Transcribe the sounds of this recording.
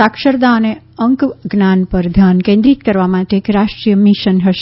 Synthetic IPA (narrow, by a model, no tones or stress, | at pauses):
akʃəɾd̪aəne | əŋkɡnanpəɾd̪ʱankẽnd̪ɾit̪kəɾʋamaʈeːkɾaʃʈɾijəmiʃənɦəʃ